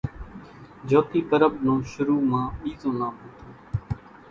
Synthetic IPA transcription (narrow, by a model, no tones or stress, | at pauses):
d͡ʒoːt̪iːpəɾəbnõːʃʊɾuːmãːɓiːzõːnãːmõːt̪ʰoː